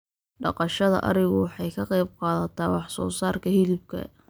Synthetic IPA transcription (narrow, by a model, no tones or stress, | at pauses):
ɖɑ̰qɑʃɐðɐ̰ʔɐ̰ɾɪɣʊwɑħɑjkʰɐqɑjb̚qɑːðɐt̪ʰɐːwɑħsɔ̰ːsaːrkʰɐhɪlɪb̚kʰɐ̰